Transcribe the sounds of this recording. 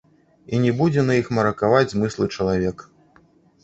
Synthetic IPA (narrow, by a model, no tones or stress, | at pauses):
inʲɛbud͡zʲɛnɐjixmɐɾɐkavad͡zʲmɨslˠɨt͡ʂɐlˠavʲɛk